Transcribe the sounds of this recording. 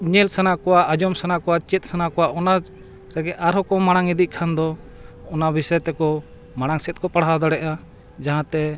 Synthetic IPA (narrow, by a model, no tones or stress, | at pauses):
ɲɛlsanakɔwaad͡ʒɔmsanakɔwat͡ʃɛt̪̚ˀsanakɔwaʔɔnad͡ʒ | ɾɛɡɛʔaɾɦɔkɔmaɽ̃aŋid̪iʔ̚kʰand̪ɔ | ɔnabisɔjɛt̪ɛkɔ | maɽ̃aŋsɛt̪̚ˀkɔpaɽɦad̪ɔɽɛʔa | d͡ʒaɦãt̪ɛ